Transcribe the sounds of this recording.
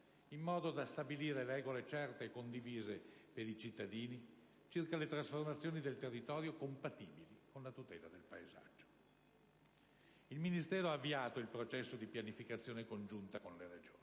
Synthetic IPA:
imːɔːd̪od̪ast̪abiliːɾeɾɛːɡolet͡ʃɛrt̪ekond̪iviːzepeɾit͡ʃit̪ːad̪iːni | t͡ʃirkalet̪ɾasformat̪sːjoːnid̪elt̪erːit̪ɔːɾjokompat̪iːbilikonlat̪ut̪ɛ̰ːlad̪elpaeza̰d͡ʒːo̥ | ilminist̪ɛːɾoaːvːiaːt̪oilpɾot͡ʃɛsːod̪ipjanifikat̪sːjoːnekond͡ʒunt̪akonleɾed͡ʒoːni

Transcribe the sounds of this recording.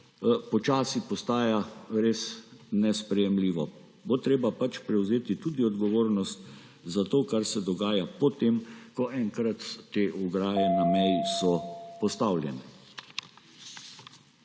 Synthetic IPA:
pɔt͡ʃaːsipɔst̪aːjaɾeːsnɛspɾɛjɛmliːʋɔ | bot̪ɾeːbapat͡ʃpɾɛwzeːt̪it̪ud̪iɔd̪ɡɔʋoːɾnɔst̪ | zat̪oːkaɾsɛd̪ɔɡaːjapɔt̪emkɔʔɛŋkɾat̪ːeːʔuɡɾaːjɛnamɛjsɔpɔst̪awlʲjɛnɛ

